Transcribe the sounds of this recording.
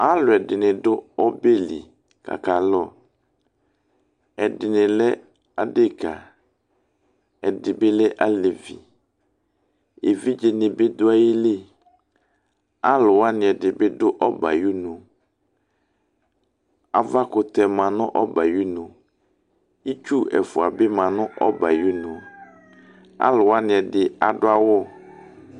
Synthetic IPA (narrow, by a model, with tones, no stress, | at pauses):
a˦lʊ˨ɛ˨dɪ˨nɪ˨dʊ˦ɔ˦be˦lḭ˨ | ka̰˨ka˨lɔ˦˨ | ɛ˨dɪ˨nɪ˨lɛ˦ | a˦dɪ˦ka̰˨ | ɛ˨dɪ˨bɪ˦lɛ˦ʔa˦le˨vḭ˨ | e˨vi˦d͡ʒe˨nɪ˨bɪ˦dʊ˦a˦jɪ˦lɪ˦ | a˦lʊ˨wa˦nɪ̃˨ɛ˨dɪ˨bɪ˦dʊ˦ʔɔ˦ba̰˨ju˦nʊ̃˨ | a˨va˦kʊ˨t̪ɛ˨mã˨nʊ̃˦ʔɔ˦ba˨ju˦nʊ̃˨ | i˦t͡ʃu˦ɛ̰˨fʊ˨a˨bɪ˦mã˨nʊ̃˦ʔɔ˦ba˨ju˦nʊ̃˨ | a̰˦lʊ˨wa˦nɪ̃˨ɛ˨dɪ˨a˨dʊ˦a˦wɔ˦˨